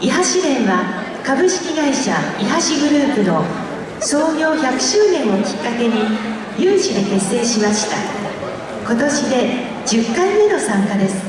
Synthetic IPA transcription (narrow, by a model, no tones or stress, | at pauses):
iɦaɕinẽ̞ɰ̃βa | kabɯ̟ɕi̥kʲiɡaiɕaiɦaɕiɡɯ̟ɾɯ̟ːpɯ̟no̞ | so̞ːɡʲo̞ːçakɯ̟̥ɕɨːnẽ̞ɰ̃o̞kʲi̥kːake̞ɲ̟i | jɯ̃ːɰ̃ɕid̪e̞ke̞sːe̞ːɕimaɕi̥t̪a̰ | ko̞t̪o̞ɕid̪e̞ | d͡ʑɨkːãmːe̞no̞sãŋkad̪e̞sɨ̥